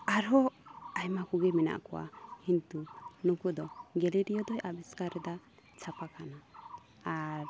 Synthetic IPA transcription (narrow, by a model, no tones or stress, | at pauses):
aɾɦɔajmakuɡɛmɛna̰ʔkɔwa̰hint̪unukud̪ɔɡɛlɛɖijɔd̪ɔjabiskaɾɛd̪a | t͡ʃʰapakanaː | ɾ